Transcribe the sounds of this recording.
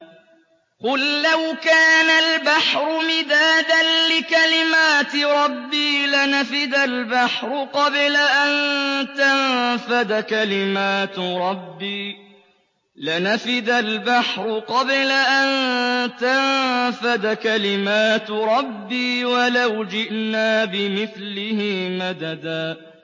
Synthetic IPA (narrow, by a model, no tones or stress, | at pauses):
qʊlːawkaːnalbaħɾʊmɪd̪aːd̪anlɪkalɪmaːt̪ɪɾˤɑbːiːlanafɪd̪albaħɾˤʊqɑblaʔant̪anfad̪akalɪmaːt̪ɾˤɑbːiː | lɪnafɪd̪albaħɾʊqɑblaʔant̪anfad̪akalɪmaːt̪ɾˤɑbːiːwalawd͡ʒɪʔnaːbɪmɪθlɪhɪmad̪ad̪aː